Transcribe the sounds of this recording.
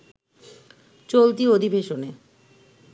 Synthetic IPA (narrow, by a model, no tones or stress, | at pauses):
t͡ɕolt̪̬iod̪ʱibeʃone